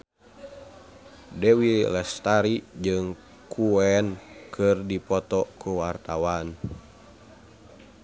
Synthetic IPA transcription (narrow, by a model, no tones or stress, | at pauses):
dɛwilɛst̪aɾid͡ʒɨŋ | kʰuɛnkʰɨrdipɔt̪ɔkuwart̪awan